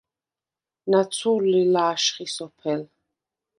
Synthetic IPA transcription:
nat̪sʰuɾilaːʃχisɔpʰɛl

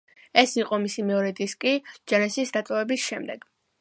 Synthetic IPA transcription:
ɛsiqʼɔmisimɛɔɾɛd̪iskʼid͡ʒanɛsisd̪at̪ʼɔvɛbisʃɛmd̪ɛ̰ɡ̥

